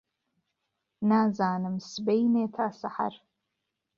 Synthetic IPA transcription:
naːzaːnɨmsbejneːtʰaːsɨħa̰r

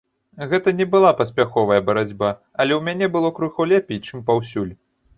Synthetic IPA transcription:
ɣɛt̪ɐnʲɛbɨlˠapɐsʲpʲaxɔvɐjɐbɐɾad͡zʲba | ɐlʲɛwmʲanʲɛbɨlˠɔkɾuxɔlʲɛpʲejt͡ʂɨmpawsʲulʲ

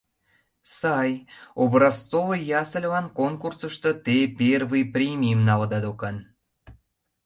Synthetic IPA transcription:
sɑjobrɑstt͡soβəjjɑsəlʲvɑnkonkursə̆ʃt̪ə̆t̪epʲervɨjprʲemʲimnɑld̪ɑd̪okɑn

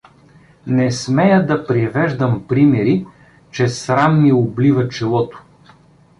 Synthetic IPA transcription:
nɛsmɛjəd̪ɐpɾivɛʒd̪əmpɾimɛɾi | t͡ʃɛsɾamːiʊblivɐt͡ʃɛlˠɔt̪ʊ̥

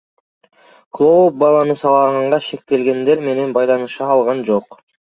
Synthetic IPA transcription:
klˠo̞op̚bɑlˠɑnɯsɑlˠɑʁɑɴʁɑʃe̞k̚t̪e̞lɡʲe̞nd̪e̞ɾme̞ne̞nbɑjlˠɑnɯʃɑːlˠʁɑnd͡ʒo̞q

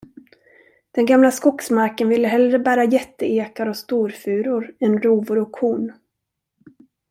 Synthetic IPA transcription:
d̪̥ɛnɡamlaskɔksmaɾkənvɪlːəɦɛlːɾəbæːɾajɛt̪ːəeːkaɾɔst̪uːɾfʉ̟ːɾʊɾɛnɾuːvʊɾɔkʰːuːn

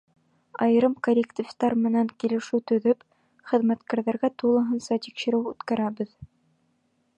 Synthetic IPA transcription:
ɑj̆ɾɤmkolʲɪkt̪ʲift̪ɑɾmɘ̆næŋkilɘ̆ʃɘwt̪ɵ̆ðɵp | χɘ̆ðmæt̪kæɾðæɾɡæt̪ulˠɤ̆ɦɤ̆nsɑt̪ikʃɘ̆ɾɘwʉt̪kæɾæβɘð

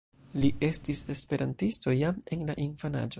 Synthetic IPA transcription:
liʔe̞stise̞spe̞ɾantisto̞jame̞nlaʔinfana̰d͡ʒo̞

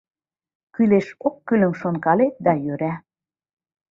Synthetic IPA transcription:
kyleʃokːylə̆mʃonkɑlet̪̚d̪ɑjøɾæ

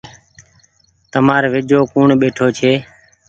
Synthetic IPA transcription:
t̪əmaːɾʋɪd͡ʒoːkuːɳɓeːʈʰoːt͡ʃʰeː

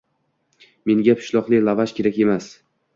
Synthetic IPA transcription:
me̞ŋɡʲapʰɪ̥ʃlˠɒqlˠɪlˠavaʃkʲʰe̞ɾakʲe̞mas

